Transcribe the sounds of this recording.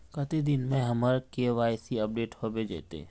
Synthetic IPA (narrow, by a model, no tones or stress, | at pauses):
kət̪id̪ɪnmẽɦəməɾkeʋaːjsiəp̚ɖeːʈhobed͡ʒḛːt̪ḛ